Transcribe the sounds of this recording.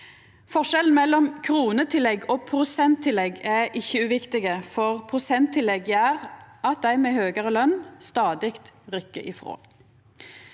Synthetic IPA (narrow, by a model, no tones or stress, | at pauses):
fɔʃɛln̩mɛlːɔmkʰʁuːnət̪ʰɪlɛɡoːpʰʁʊsɛnt̪ʰːɪlɛɡæʔɪçːəʉːʋɪkt̪ɪɡəfɔʁpʰʁʊsɛnt̪ʰːɪlɛɡjæʁɑt̪̚d̪æɪmeːhøːɡəʁəlœnst̪ɑːd̪ɪkt̪ʁʏkːəʔɪfʁo̰ː